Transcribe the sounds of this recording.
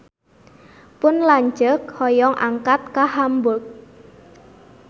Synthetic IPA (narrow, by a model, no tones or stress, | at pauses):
pʊnlaɲd͡ʒək̚hɔjɔŋʔa̰ŋkat̪̚kahambʊk̚